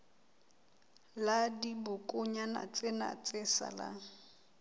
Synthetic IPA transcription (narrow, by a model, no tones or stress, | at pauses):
ladibʊkʼʊɲana̰t͡sʼena̰t͡sʼɪsa̰la̰